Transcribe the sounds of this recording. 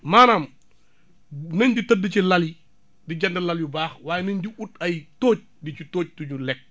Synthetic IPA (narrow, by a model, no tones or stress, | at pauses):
maːnaːm | nɐɲditədːət͡ʃilali | diɟɐndɐlɐljubaːxwaːjɛnɐɲdiutɐjtoːc̚dit͡ʃitoːc̚tuɲulɛk̚